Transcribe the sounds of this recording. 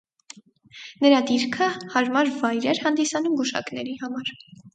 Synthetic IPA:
nəɾɑd̪iɾkʰəhɑɾmɑɾvɑjɾɛɾhɑnd̪isɑnumɡuʃɑ̰knɛɾihɑmɑɾ

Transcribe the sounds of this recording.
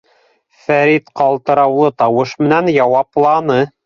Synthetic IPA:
fæɾit̪qɑlˠt̪ɤ̆ɾɑwlˠɤt̪ɑwɤʃmɘ̆nænjɑwɑplˠɑnɤ

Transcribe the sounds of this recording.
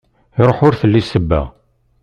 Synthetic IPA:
iɾˤoħʊɾθəlːisəbːæ̰

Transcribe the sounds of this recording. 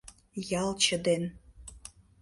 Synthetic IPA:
jɑlt͡ɕə̆d̪en

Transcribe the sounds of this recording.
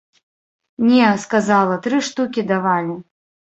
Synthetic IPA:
nʲɛskazalˠɐt̪ɾɨʂt̪ukʲid̪avalʲi

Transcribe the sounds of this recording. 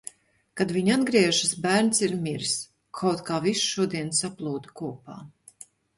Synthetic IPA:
kad̪viɲad̪ɡɾiɛʒɨsbæːɾnsiɾmiɾs | kʰawt̪kaːvisʃuɔd̪iɛnsaplˠuːd̪kuɔpa̰ː

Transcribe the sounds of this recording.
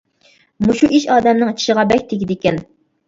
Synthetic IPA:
muʃuʔiʃɑːd̪ɛmnɨŋt͡ʃʰi̥ʃəʁɑbɛk̚ʲt̪ʰeɡʲid̪ɪkʲɛn

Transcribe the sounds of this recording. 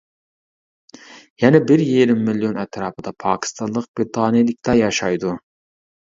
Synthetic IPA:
jɛnɛbɪɾjijɾɪmːilijonɛt̪ʰɾɑːpɨd̪ɑpʰɑ̰ːkʲʰi̥st̪ɑnlˠəq̚b̥ɾt̪ʰɑːnijlɪk̚ʲt̪ɑjɑʃɑjd̪u

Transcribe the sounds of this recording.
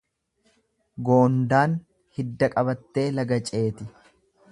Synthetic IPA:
ɡo̞ːnd̪aːn | hɪd̪ːɐkʼɐβɐt̪ːe̞ːlɐɡɐt͡ʃʼe̞ːt̪ɪ

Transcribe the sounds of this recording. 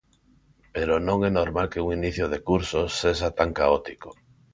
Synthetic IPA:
peɾonõŋɛnoɾmalkeuŋiniθjoð̞ekuɾsosːeʃ̬at̪aŋkaot̪iko̥

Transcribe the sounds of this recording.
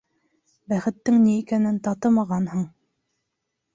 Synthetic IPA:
bæχɘ̆t̪ːɘŋniːkænɘnt̪ɑt̪ɤmɑʁɑnhɤɴ

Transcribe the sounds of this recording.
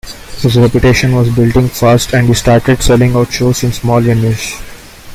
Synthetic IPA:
hɪzɾɛpjʊʈeːʃə̃nʋɔːzbɪlʈɪ̃ŋɡfaːsʈʰɛ̃ɳɖhisʈaːɾʈeɖsɛlɪ̃ŋaʊʈʃoːsɪ̃nsmɔːljɛ̃nɪʃ

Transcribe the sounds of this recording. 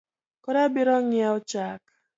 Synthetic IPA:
kɔɾabɪɾɔŋɪaɔt͡ʃak

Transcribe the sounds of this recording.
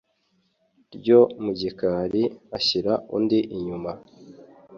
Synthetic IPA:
ɾɟomuɟikaɾiaçiɾaṵːndiʔiɲuma

